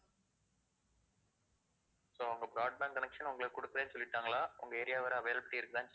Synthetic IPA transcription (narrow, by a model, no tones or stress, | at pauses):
soːɐɐŋɡɐbɾaːɖ̚baːnkɐnɛkʂɐnʊŋɡɐɭɯkːʊɽɯkːɯɾeːnsɔlːɪʈːaːŋɡɐlaːʊŋɡɐɛːɾɪjaːʋɐɾɐɐʋeːlɐpɐʈːiɪɾɯkːɯt̪ãːnsɐ